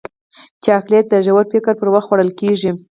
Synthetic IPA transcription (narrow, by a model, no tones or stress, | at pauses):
t͡ʃeaklijat̪̚d̪əʒawaɾpɪkaɾpəɾwaxt̪xwaɽəlkeʐi